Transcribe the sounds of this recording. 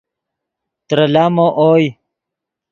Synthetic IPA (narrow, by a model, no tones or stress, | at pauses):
t̪ɾɐlaːmoʔoːj